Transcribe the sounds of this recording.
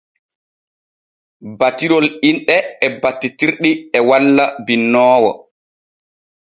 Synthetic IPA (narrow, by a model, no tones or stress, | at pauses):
batːiɾɔlinɗɛɛbatːitiɾɗiɛwalːabinːɔːwɔ̰